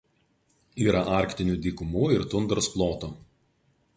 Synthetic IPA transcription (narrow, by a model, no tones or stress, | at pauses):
iːɾɐʔɑˑɾʲkt̪ʲɪnʲuːd̪ʲiːkʊmuːɪɾt̪ʊnd̪ɾosplˠoːt̪uː